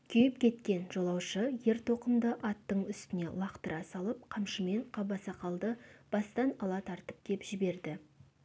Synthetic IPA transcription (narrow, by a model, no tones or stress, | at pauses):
kʲʰʏjɪpkʲʰe̞t̪kʲe̞nʒo̞lˠɑwʃəje̞ɾt̪ʰo̞qəmd̪əʔɑt̪ːəɴʏst̪ɪne̞̰lˠɑqt̪əɾʔɑsɑlˠəp̚qʰɑmʃəme̞ɴqʰɑbɑsɑqʰɑlˠd̪əb̥ɑst̪ɑnɑlˠɑt̪ʰɑɾt̪əp̚kʲʰe̞pʒ̥ɪbe̞ɾd̪ɪ